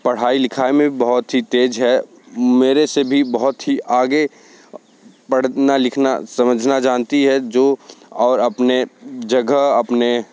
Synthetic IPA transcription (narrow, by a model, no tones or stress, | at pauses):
pɐɽ̤aːilɪkʰaːemẽbəɦʊt̪ɦit̪eːd͡ʒɦɛ | meːɾesebʱibəɦʊt̪ɦiʔaːɡe | pəɽ̤nalɪkʰnasɐməd͡ʒʱnad͡ʒaːnt̪iɦɛd͡ʒoɔːɾəpned͡ʒəɡʱəɐpne